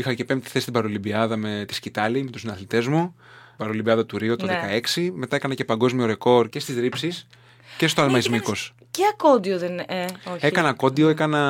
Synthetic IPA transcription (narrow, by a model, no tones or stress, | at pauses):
ixɐce̞pemt̪i̥θe̞st̪ibɐɾolibiɐðɐmet̪i̥scit̪ɐlime̞t̪usnɐθlit̪e̞zmu | bɐɾolibiɐðɐt̪uɾiot̪onðekɐe̞ksime̞t̪ɐekɐnɐce̞pɐŋɡo̞zmio̞ɾe̞ko̞ɾce̞st̪izɾipsis | ce̞st̪oɐlmɐizmiko̞s | ceɐkod̪ioðeneoekɐnɐko̞d̪io̞ekɐnɐ